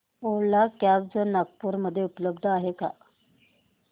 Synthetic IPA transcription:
oɽlakjab̚d͡zənak̚puɾməd̪ʱːjeupləbd̪ʱəaɦeka̰

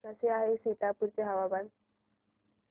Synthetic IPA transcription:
aseaɦesiʈ̪apuɾt͡seɦaʋaban

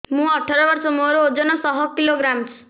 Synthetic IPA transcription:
mũɔʈʰɔɾɔbɔɾsɔmoɾood͡ʒɔnɔsɔɦɔkiloɡɾamt͡ʃʰu̥

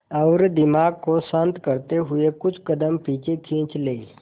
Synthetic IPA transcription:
əʋɾd̪ɪmaːɡ̚kosãnt̪kəɾt̪eɦʊekʊt͡ʃʰkəd̪əmpiːt͡ʃekʰĩːt͡ʃleː

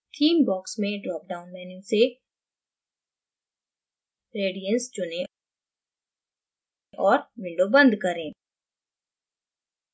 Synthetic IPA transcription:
kʰiːmbɔːksmẽɖlɔːk̚ɖaːʊnmɛ̃ːnɪ̃ŋse | ɾeːɖijə̃nsd͡ʒʊnẽ | ʔɔːɾʋɪ̃ɳɖobɐ̃nd̪kɐɾẽː

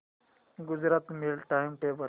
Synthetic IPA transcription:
ɡud͡zɾat̪milʈajmʈebə

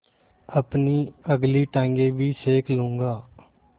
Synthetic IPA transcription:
əpniːəɡliːʈɛ̃ːŋɡeːʋiːseːkʰlʊ̃ːŋɡaː

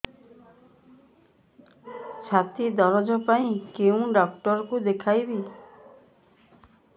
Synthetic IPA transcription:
t͡ʃʰat̪id̪ɔɾɔd͡ʒɔpaĩkew̃ɖɔkʈɔɾɔkud̪ekʰajbi

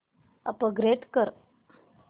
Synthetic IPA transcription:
ə̰pəɡɾet̪kəɾ

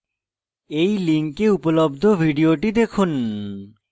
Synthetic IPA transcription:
ejliŋkeupolobd̪ʱobʱiɖioʈid̪ekʰun

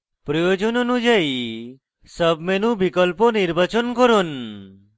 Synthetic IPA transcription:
pɾɔjod͡ʒɔnonũd͡ʒaji | səbmenũbikəlponiɾbat͡ʃɔnkɔɾon

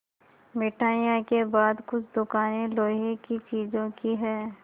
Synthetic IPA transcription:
mɪʈaːjãkebaːd̪kʊt͡ʃʰd̪ʊkaːneloːɦekit͡ʃiːd͡ʒõkiɦɛː

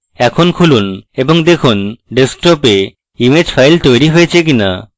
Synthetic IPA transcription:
ɛkʰonkʰulunebɔŋd̪ekʰunɖesʈope | imed͡ʑpʰajlt̪ojɾiɦojet͡ʃʰek̬ina̰

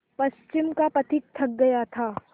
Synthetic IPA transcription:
pɐst͡ʃɪmkapɐt̪ʰɪk̚t̪ʰːɐk̚ɡɐjat̪ʰaː

